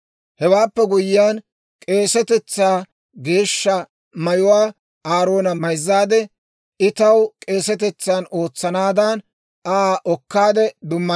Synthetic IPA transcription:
hɛwaːpːɛɡʊjɪjaːn | kʼe̞ːsɛt̪ɛt͡sːaː | ɡe̞ːʃːɐ | mɐjʊwaː | aːɾo̞ːnɐmɐjzːaːd̪ɛ | ɪt̪ɐwkʼe̞ːsɛt̪̬ɛt͡sːaːno̞ːt͡sːɐnaːd̪an | aːʔɔkːaːd̪ɛd̪ʊmːɐ

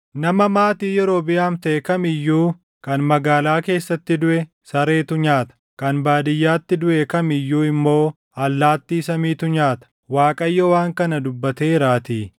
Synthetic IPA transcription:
nɐmɐmaːt̪iːjɛɾo̞ːbɪjaːmt̪ɐʔɛkɐmɪjːuː | kɐnmɐɡaːlaːke̞ːsːɐt̪ːɪd̪ʊʔɛ | sɐɾe̞ːt̪ʊɲaːt̪ɐ̥kɐnbaːd̪ɪjːaːt̪ːɪd̪ʊʔɛkɐmɪjːuːɪmːo̞ː | ɐlːaːt̪ːiːsɐmiːt̪ʊɲaːt̪ɐ̥waːkʼɐjːɔwaːŋkɐnɐd̪ʊbːɐt̪eːɾaːt̪iː

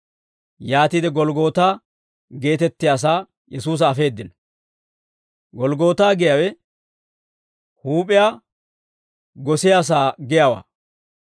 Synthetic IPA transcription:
jaːt̪iːd̪ɛɡɔlɡo̞ːt̪aː | ɡe̞ːt̪ɛt̪ːɪjaːs̬aː | jɛsuːs̬ɐːfe̞ːd̪ːɪnɔ | ɡɔlɡo̞ːt̪aːɡɪjawɛ | huːpʼɪjaː | ɡɔsɪjaːs̬aːɡɪjawa̰ː

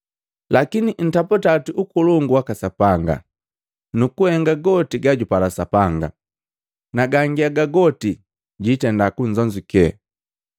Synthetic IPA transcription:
lakinin̩taputatiʔukuluŋɡuwakasapaŋɡa̰ | nukuhɛŋɡaɡɔtiɡaɟupalasapaŋɡa | naɡaŋɡiaɡaɡɔti | ɟitɛndakuɲd͡ʒɔɲd͡ʒukɛɛ̰

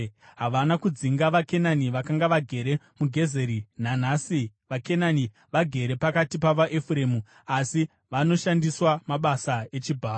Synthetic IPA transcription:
ɦaʋanakud͡ziŋɡaʋake̞naniʋakaŋɡaʋaɡʱe̞ɾe̞ | muɡʱe̞ze̞ɾinan̤aːsiʋake̞nani | ʋaɡʱe̞ɾe̞pakatipaʋaʔefure̞ːmu | asi | ʋano̞ʃandiswamaɓasae̞t͡ʃibʱaː

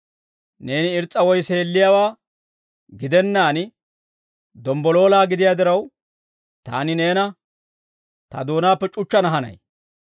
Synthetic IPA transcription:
ne̞ːnɪɪɾt͡sʼːɐwɔjse̞ːlːɪjaːwaː | ɡɪd̪ɛnːaːn | d̪ɔmbɔlo̞ːlaːɡɪd̪ɪjaːd̪ɪɾɐw | t̪a̰ːnɪne̞ːnɐ | t̪ɐ̰d̪o̞ːnaːpːɛt͡ʃʼʊt͡ʃːɐnɐɦɐnɐ̰j

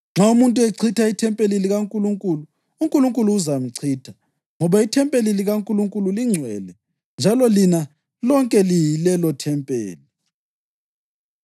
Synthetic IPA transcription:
ŋ͡ǁʱaumuntʼueǀʰitʰaitʰɛmpʼeliliɣaŋkʼuluŋkʼuːlu | uŋkʼuluŋkʼuluːzam̩ǀʰiːtʰḁ | ŋɔβaitʰɛmpʼeliliɣaŋkʼuluŋkʼululiŋ͡ǀʱwɛlɛ | nd͡ʒʱalɔlina | lɔŋkʼɛlijilɛlɔtʰɛmpʼḛːli

